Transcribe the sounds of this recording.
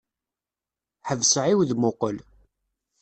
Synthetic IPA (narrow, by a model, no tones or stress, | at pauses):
ħəvsəʕiwðmʊqəl